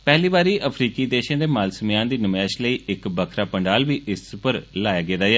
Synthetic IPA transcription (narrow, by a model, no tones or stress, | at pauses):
pɛɦliːbaːɾiːʔəpʰɾiːkiːd̪eːʃãːd̪eːmaːlsəmjãːnd̪iːnəmɛːʃləiːɪkbəkʰɾaːpəɳɖaːlʋiːʔɪspəɾlaːjaːɡeːd̪aːjɛː